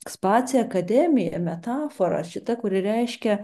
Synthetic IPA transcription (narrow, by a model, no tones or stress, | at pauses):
ɛkspɑːsʲɪjɛɐkɐd̪ʲɛmʲɪjɛ̰mʲɛt̪ɑːfoɾɐ̰ʃʲɪt̪ɐkʊɾʲɪɾʲɛɪʃʲkʲɛ